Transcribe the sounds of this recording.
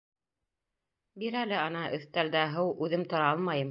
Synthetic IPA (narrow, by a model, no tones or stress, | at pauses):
biɾælɘɑnɑʔɵ̆θt̪æld̪æɦɤwʉðɘmt̪ŏɾɑɑlˠmɑjɤm